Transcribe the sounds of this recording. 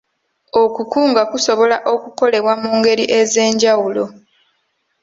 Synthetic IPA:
okukuːŋɡakuso̞βo̞laʔo̞kuko̞le̞βwamuːŋɡe̞ɾiʔe̞ze̞ːɲɟawulo̞

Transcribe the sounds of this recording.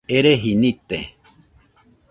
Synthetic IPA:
eɾeɦinit̪ḛ

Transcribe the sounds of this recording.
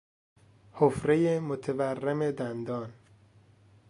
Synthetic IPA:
hofɾejemot̪ʰeværːeme̞d̪ænd̪ɒːn

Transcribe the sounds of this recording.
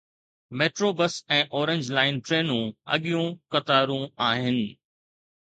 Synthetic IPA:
meːʈɾoːbəsɛ̃ːʔɔːɾẽɲd͡ʑlaːɪnʈɾeːnũɐ̰ɠijũkɐt̪aːɾũaːɦɪnɪ̆

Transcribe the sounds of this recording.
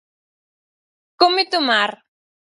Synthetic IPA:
komɪt̪ʊmaɾ

